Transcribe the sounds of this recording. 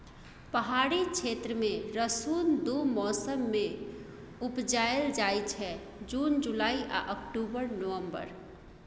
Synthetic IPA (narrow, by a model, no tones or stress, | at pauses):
pəɦaɾikt͡ʃʰet̪ɾəmeɾəsund̪umɔsəmːe | upd͡ʒaeld͡ʒajt͡ʃʰɛ | d͡ʒund͡ʒulaiʔa̰ʔəkʈubəɾnoʋəmbə̰ɾ